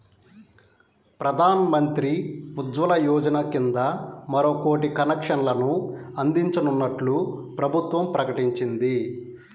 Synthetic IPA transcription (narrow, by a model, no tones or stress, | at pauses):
pɾɐd̪ʱaːnɐmɐnt̪ɾiud̪ʋɐlɐjɔːd͡ʒɐnɐkind̪ɐmɐɾoːko̞ːʈikɐnɛkʂɐnlɐnuɐnd̪iɲt͡ʃɐnunːɐʈlupɾɐbʱut̪ʋɐmpɾɐkɐʈiɲt͡ʃind̪i